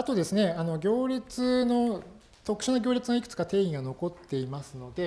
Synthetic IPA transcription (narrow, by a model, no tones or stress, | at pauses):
at̪o̞d̪e̞sɨne̞ano̞ɡʲo̞ːɾʲit͡sɨno̞ | t̪o̞kɯ̟̥ɕanoɡʲo̞ːɾʲit͡sɨɡaikɯ̟̥t͡sɨ̥kat̪e̞ːiɡano̞ko̞t̪ːe̞imasɨno̞d̪e̞